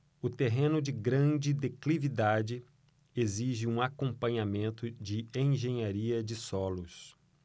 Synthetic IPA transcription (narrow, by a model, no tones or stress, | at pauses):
ʊt̪eɦẽnʊd͡ʒɪɡɾɐ̃d͡ʒɪd̪eklivid̪ad͡ʒɪ | eziʒɪũakõpɐ̃ɲamẽnt̪ʊd͡ʒɪẽj̃ʒẽɲaɾiɐd͡ʒɪsɔlʊs